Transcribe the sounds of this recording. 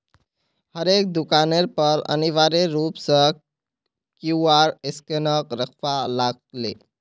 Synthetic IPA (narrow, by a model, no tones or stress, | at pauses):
həɾek̚d̪ukaneɾpəɾə̰niʋaɾeɾupsə̃ | kuuaɾeskenəkɾəkʰʋalaɡ̚lḛ